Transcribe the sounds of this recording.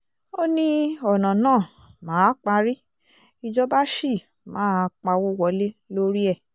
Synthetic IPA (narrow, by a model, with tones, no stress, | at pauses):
o˦nĩ˦ɔ˨nã˨nãː˦˨ | mãː˨˦k͡pa˧ɾi˦ | i˧d͡ʒɔ˧ba˦ʃi˦˨ | mã̰ː˨˦k͡pa˧wo˦wɔ˨˧le˦lo˦ɾi˦ɛ˦˨